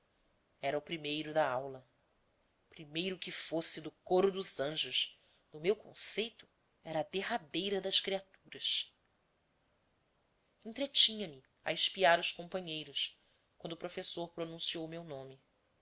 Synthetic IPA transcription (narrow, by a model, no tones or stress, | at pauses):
ɛɾɐʊpɾimejɾʊd̪ɐawlɐ | pɾimejɾʊkɪfosɪd̪ʊkoɾʊd̪ʊzɐ̃ʒʊs | nʊmewkõ̰sejt̪ʊ̥ | ɛɾɐːd̪eɦad̪ejɾɐd̪ɐskɾiat̪uɾɐs | ẽnt̪ɾet͡ʃĩɲɐmɪ | ɐ̰ɪʃpiaɾʊʃkõmpɐ̃ɲejɾʊs | kwɐ̃d̪ʊpɾofesoɾpɾonũsiowmewnõmɪ